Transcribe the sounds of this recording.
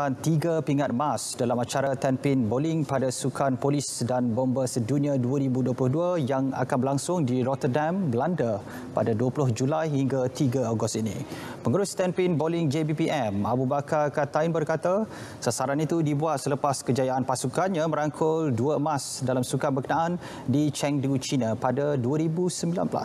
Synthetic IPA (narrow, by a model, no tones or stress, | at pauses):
ant̪iɡəpiŋat̪̚masdalamat͡ʃaɾat̪ɛmpɪnbolɪŋpadasukʰanpolɪsdanbombəsəduniãduəɾibuduəplʊhduəjaŋa̰kanbəɾlaŋsʊŋdiɾɔt̪ərdambəlandə | pa̰daduəplʊhd͡ʒulajhiŋɡat̪iɡaaɡʊst̪inḭ̃ | pəŋuɾʊst̪ɛmpɪŋbolɪŋd͡ʒebipiʔɛmabubakakat̪ainbərkat̪a | sasaɾanit̪udibuat̪̚sələpaskəd͡ʒajaanpasukanɲãməɾaŋkʰʊlduəmasdalamsukanbəkənãʔan | dit͡ʃɛŋdut͡ʃinapadaduəɾibusəmbila̰nbəla̰s